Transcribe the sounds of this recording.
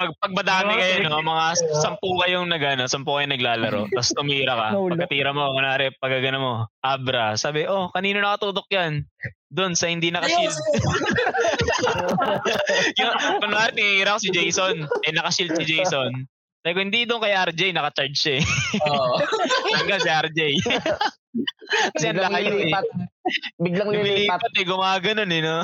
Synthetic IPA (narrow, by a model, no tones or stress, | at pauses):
pɐɡ̚pɐɡ̚bɐd̪aːkɐnnɪkɐjonomɐŋasɐmpukɐjoŋnɐɡɐnosɐmpʊkɐjonɐɡlaːlɐ̰ɾo̰t̪ɐst̪ʊmiːɾɐkɐɐkɐt̪iːɾɐmoɐnaːɾɛpɐɡaɡɐnɐmo̞ʔabɾɐsaːbɪʔo̞kɐniːnonɐkɐt̪uːt̪ok̚jan | d̪o̞nsɐhɪnd̪inɐkɐʃil | jʊɐŋnɐŋʔaːɾɪt̪ɪŋiʔiːɾɐkosɪd͡ʒejsonɛnɐkɐʃilt̪̚sɪd͡ʒɛjson | t̪ajkʊhɪnd̪id̪onkɐjʔɐɾd͡ʒɛjnɐkɐt͡ʃaɹd͡ʒʃɐɛ | ɐŋɡasiʔɐɾd͡ʒɛj | kɐsɛɐnlɐkɐjʊɛ | biɡlɐŋllɪliːɐt̪ɛɡʊmaːɡɐnonɛno